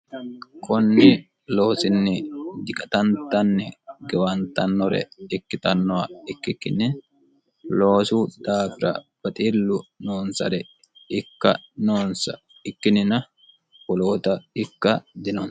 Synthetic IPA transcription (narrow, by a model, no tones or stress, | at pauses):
kʰʼɔnːɪ | lo̞ːsɪnːɪd̪ɪkʼɐt̪ɐnt̪ɐnːɛɡɛwɐnt̪ɐnːɔɾɛ̰ɪkːɪt̪ɐnːɔwɐɪkːɪkːɪnɪ | loːsud̪aːfɪɾɐ̰b̥ɐt̪ʼiːlːʊnoːnsɐ̰ɾɛ | ɪkːɐ̰noːnsɐ | ɪkːɪnɪnɐ | wɔloːt̪ɐɪkːɐd̪ɪnɔn